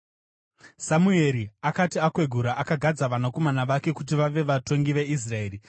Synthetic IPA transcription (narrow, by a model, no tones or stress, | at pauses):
samueɾiakatiakwe̞ɡʱuɾaʔakaɡʱad͡zaʋanako̞manaʋake̞kut̬iʋaʋe̞ʋato̞ŋɡiʋe̞is̬rae̞ːri